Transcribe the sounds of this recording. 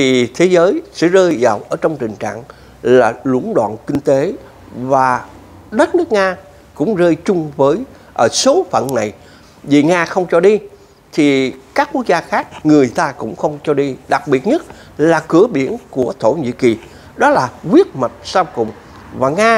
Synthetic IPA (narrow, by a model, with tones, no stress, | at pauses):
t̪ʰi˨˩t̪ʰe˨˦zəː˨˦jsɛ̰˧˥zəː˧jzaː˨˩wʔəː˧˩t͡ɕɔ˧wŋ͡mt̪ï˨˩ŋ̟t͡ɕa̰ː˧˨ŋ | laː˨˩lʊ̰˧˥ənɗwa̰ː˧˨nkï˧ŋ̟t̪e˨˦ | vaː˨˩ | ɗə˦˥t̚nɨ˦˥k̚ŋaː˧ | kʊ̰˧˥ŋ͡mzəː˧jt͡ɕʊ˧ŋ͡mvəː˨˦j | ʔəː˧˩so˨˦fə̰˧˨nna˨˩j | vi˨˩ŋaː˧xə˧wŋ͡mt͡ɕɔ˧ɗi˧ | t̪ʰi˨˩kaː˦˥k̚kːu˦˥ək̚zaː˧xaː˦˥k̚ŋɨ˨˩əjt̪aː˧kʊ̰˧˥ŋ͡mxə˧wŋ͡mt͡ɕɔ˧ɗi˧ɗa˨˩k̚ɓi˨˩ət̚ɲə˦˥t̚ | laː˨˩kɨ˧˩˦əɓi˧˩ənku˧˩ət̪ʰo˧˩ɲḭ˧˥ki˨˩ | ɗɔ˨˦laː˨˩kwi˦˥ət̚ma˨˩t̚saː˧wkʊ̰˨˩wŋ͡m | vaː˨˩ŋaː˧